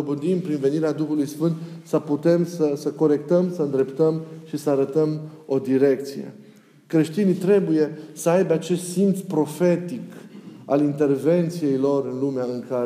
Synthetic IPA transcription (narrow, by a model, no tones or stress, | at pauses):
obɨnd̪impɾinve̞niɾead̪uxulujsfɨnt̪səput̪e̞msəsəko̞ɾe̞k̚t̪əmsəɨnd̪ɾe̞pt̪əmʃisəaɾət̪əmo̞d̪iɾe̞k̚t̪sijḛ | kɾe̞ʃt̪init̪ɾe̞buje̞səajbeat͡ʃe̞st̪simt̪spɾo̞fe̞t̪ika̰lint̪e̞rve̞nt̪sije̞jlo̞ɾɨnlumeaɨŋka